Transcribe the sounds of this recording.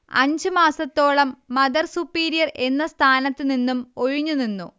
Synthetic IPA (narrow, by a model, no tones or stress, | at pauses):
ɐ̰ɲd͡ʑɨmaːsɐt̪ːo̞ːɭɐmːɐd̪ɐrsupːiːɾijɐre̞nːɐst̪ʰaːnɐt̪ːininːumo̞ɻuɲːuninːu